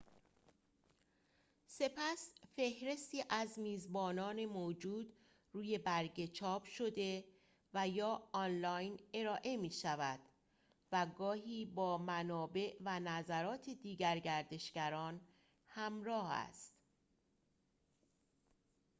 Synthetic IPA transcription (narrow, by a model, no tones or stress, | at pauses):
se̞pʰæsfe̞hɾe̞st̪iːʔæzmiːzbɒːnɒːne̞mod͡ʒuːd̪ | ruːje̞bæɾɟe̞t͡ʃʰɒːbʃo̞d̪e̞ | væjɒːɒnlɒjne̞ɾɒːʔe̞miːʃævæd̪̥ | væɡɒːɦiːbɒːmænɒːbe̞ʔvænæzæɾɒːt̪ʰe̞d̪iːɟæɾɟæɾd̪e̞ʃɡ̥æɾɒːn | hæmɾɒːhæ̰st̪